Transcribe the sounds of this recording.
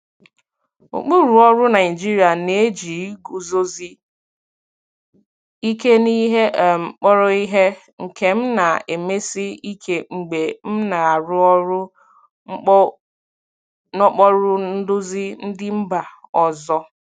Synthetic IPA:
o̰˨k͡pu˦ɾu˨ɔ˦ɾʊ˦na˨ɪ˨d͡ʒi˦ɾi˨a˨ne˨˦d͡ʒi˨˦ɡu˦zo˦zi˦ | i˦ke˦ni˦ɦe˦ʔm̩˨k͡pɔ˦ɾɔ˦i˦ɦe˦ | ŋ̩˨kʰe˦m̩˦na˨e˨me˦si˦i˦kʰe˨ŋ͡m̩˨ɡ͡be˨m̩˦na˨a˨ɾʊ˦ɔ˦ɾʊ˦ | nɔ˦k͡pɔ˦ɾʊ˦n̩˦dʊ˦zi˦n̩˦dɪ˦m̩˦ba˨ɔ˨zɔ˦

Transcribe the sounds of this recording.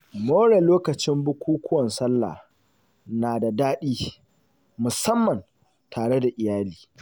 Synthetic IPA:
moː˦ɽɛ˨loː˦kɐ˨t͡ʃɪ˦mbʊ˦kʷuː˦kʷʰʊ˦wɐ˨nsɐ˦lːa̰ː˨ | naː˨da˨daː˦ɗiː˦ | mʊ˨sɐ˦mːɐ˨n | tʰaː˨ɽe˦da˨ʔɪ˨jaː˦liː˨

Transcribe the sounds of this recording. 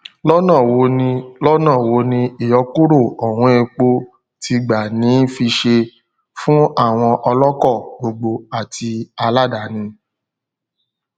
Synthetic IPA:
lɔ˦nã˦˨wo˨˦nĩ˧lɔ˦nã˦˨wo˨˦nĩ˧i˨jɔ˨˧˦ku˦ɾo˦˨ɔ˨wɔ̃˨˧˦e˧k͡po˧ | ti˧ɡ͡ba˨nĩ˨˦fi˧ʃe˧ | fũ˦a˦˨w̃ɔ̃˧ʔɔ˧lɔ˦kɔ˦˨ɡ͡bo˨ɡ͡bo˧a˨tʰi˧a˧la˦da˨˦nĩ˧

